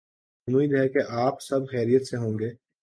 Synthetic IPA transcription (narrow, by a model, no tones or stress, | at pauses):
muid̪ɦɛkeʔaːpsɐbxɛːɾijət̪seɦõːŋɡeː